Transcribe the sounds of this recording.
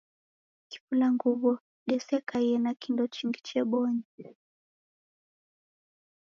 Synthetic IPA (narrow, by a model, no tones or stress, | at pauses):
ki̥fulaŋɡuβɔ | ɗɛsɛkaiɛnakindɔt͡ʃiŋɡit͡ʃɛɓɔɲi